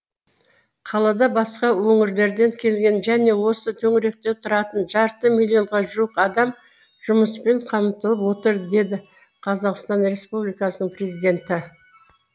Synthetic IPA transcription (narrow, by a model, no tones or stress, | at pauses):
qʰɑlˠɑd̪ɑbɑsqɑwɵŋɪɾle̞ɾd̪e̞ŋkʲʰe̞lɡʲe̞nʒæne̞wo̞sət̪ʰɵŋɾe̞k̚t̪e̞t̪ʰʊɾɑt̪ənʒɑɾt̪əmilʲːijo̞ɴʁɑʒuwəqɑd̪ɑm | ʒ̥ʊməspe̞ɴqʰɑmt̪əlˠəpwo̞t̪əɾd̪e̞d̪ɪ | qʰɑzɑqst̪ɑnɾe̞spublijkɑsənəɴpre̞zijd̪ʲe̞nt̪ɪ